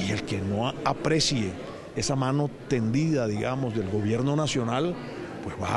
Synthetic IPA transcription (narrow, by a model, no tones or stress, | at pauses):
ielke̞no̞apɾe̞sje | e̞samano̞t̪e̞nd̪iðaðiɣa̰mo̞zðe̞lɡo̞βje̞ɾno̞nasjo̞nal | pwe̞zβa̰